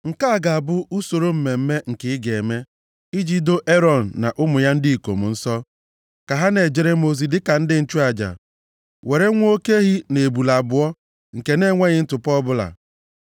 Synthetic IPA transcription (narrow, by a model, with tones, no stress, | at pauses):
ŋ̩˨ka˦a˦˨ɡa˨a˨bʊ˦u˦so˨ɾo˦m̩˦me˨m̩˦me˦ŋ̩˨kɪ˨˦ɪ˦ɡe˨me˦ | i˦d͡ʒi˦do˦ʔe˦ɾɔ˨n̩ː˨a̰˨ʔʊ˦mʊ˨ja˦n̩˦di˦i˨ko̰˨m̩̰˨n̩˦sɔ˦ | ka˨ɦa˦ne˨d͡ʒe˨ɾe˦m˦o˦zi˨dɪ˦ka˨n̩˦dɪ˦n̩˦t͡ʃu˦a˨d͡ʒa̰˨ | we˨ɾe˦ŋʷ˦o˦ke˦ɣi˦ne˨bu˨la˨bʊ˨ɔ˦ | ŋ̩˨ke˨ne˦ŋʷe˦ɲɪ˦n̩˦tʊ˨pɔ˦bʊ˦la̰˨